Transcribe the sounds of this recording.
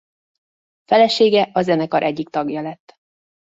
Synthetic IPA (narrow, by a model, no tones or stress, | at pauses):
fɛlɛʃeːɡɛʔɒzɛnɛkɒɾʔɛɟːikt̪ɒɡjɒlɛt̪ː